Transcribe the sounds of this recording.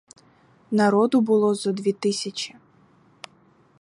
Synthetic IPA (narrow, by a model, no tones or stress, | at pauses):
nɐɾɔd̪ʊbʊlˠɔzɔd̪ʲʋʲit̪ɪsʲɐt͡ʃʲi̥